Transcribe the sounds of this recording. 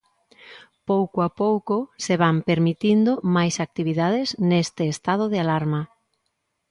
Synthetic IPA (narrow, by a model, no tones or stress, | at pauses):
powkoapowkʊseβ̞ampeɾmit̪ind̪ʊmajsak̚t̪iβiðað̞ɪznest̪ɪːst̪að̞ʊðɪalaɾma